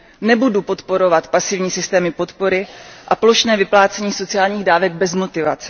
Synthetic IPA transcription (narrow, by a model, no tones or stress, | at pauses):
nɛbudupo̞t̪po̞ɾo̞vat̪pasɪvɲiːsɪst̪ɛːmɪpo̞t̪po̞ɾɪʔaplo̞ʃnɛːvɪplaːt͡sɛɲiːso̞t͡sɪaːlɲiːɣdaːvɛɡ̚bɛzmo̞t̪ɪvat͡sɛ̥